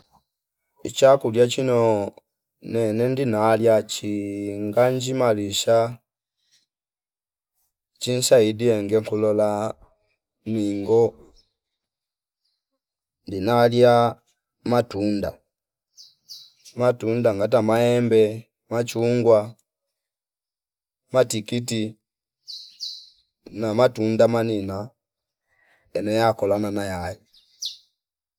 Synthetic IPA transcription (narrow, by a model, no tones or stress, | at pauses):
it͡ʃakuljat͡ʃinɔ | nɛnɛndinaljat͡ʃiŋɡaɲd͡ʒimaliʃa | t͡ʃin̩saidiɛŋɡɛŋkulɔla | miŋɡɔ | ndinalja | matunda̰ | matundaŋɡat̬amaɛmbɛ | mat͡ʃuŋɡwa | matikiti | namatundamanina | ɛnɛjakɔlananajaji